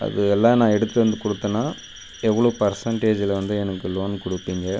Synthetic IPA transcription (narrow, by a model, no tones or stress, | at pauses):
ʔɐ̰ðɯɛlːãːnãːɛɽɯt̪ːɯʋɐnd̪ɯkʊɽɯt̪ːɐnːaː | ɛʋːɐɭoːpɐɾsɐɳʈeːd͡ʒɪlɐʋɐnd̪ɯɛnɐkːɯloːnkʊɽɯpːiːŋɡɐ